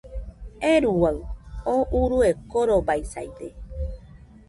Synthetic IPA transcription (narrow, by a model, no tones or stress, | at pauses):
eɾuwaɯoʔuɾuekoɾobaisa̰jd̪e